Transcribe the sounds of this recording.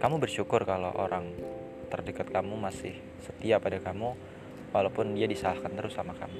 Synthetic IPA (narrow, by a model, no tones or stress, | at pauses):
kamubərʃukʊrkaloʔo̰ɾʔaŋ | t̪ərdəkat̪̚kamumasɪ̰h | sət̪iapadakamu | walawpʊndiadisalahkant̪əɾʊsamaka̰mu